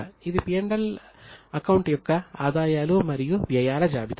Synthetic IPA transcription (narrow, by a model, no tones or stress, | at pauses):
iðipijɐɳɖɐl | ɐkɐwɳʈjɔkːɐaːd̪aːjaːlumɐɾijuʋjɐjaːlɐd͡ʒaːbit̪